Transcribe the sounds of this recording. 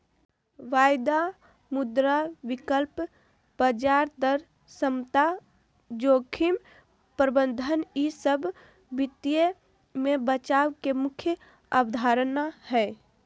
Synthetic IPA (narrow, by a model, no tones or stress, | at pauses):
ʋajd̪a | mud̪ɾaʋikəlp | bəd͡ʒaɾd̪əɾ | səmt̪a | d͡ʒoːkʰim | pɾəbənd̪ʱənisəbʱ | bit̪ije | mebət͡ʃawkemukʰjə | abd̪ʱaɾənahɛ